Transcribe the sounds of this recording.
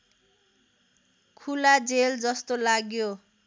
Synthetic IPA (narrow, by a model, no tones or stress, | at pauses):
kʰulad͡zeld͡zʌst̪olaɡjo